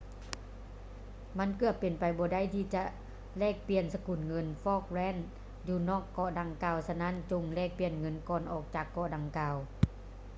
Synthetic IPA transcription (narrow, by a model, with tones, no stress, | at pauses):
ma˧˥˨nkɯ˧˩ət̪̚pe˨˩npa˨jbɔː˨˧da˥˨jt̪ʰiː˧˩t͡ɕa˧˩ʔ | lɛː˧˩k̚pi˨ənsa˧ku˨˩nŋɤ˧˥nfɔː˧˥˩k̚lɛː˧˥˨n | juː˧˩nɔː˥˩kːɔ˧˨da˨˧˩ŋkaː˧˩wsa˧na˧˥˨nt͡ɕo˧ŋlɛː˧˥˩k̚pi˨˧˩ənŋɤ˧˥˨nkɔː˨˩nʔɔː˨˩k̚t͡ɕaː˨˩kːɔ˧˨da˨˧ŋkaː˨w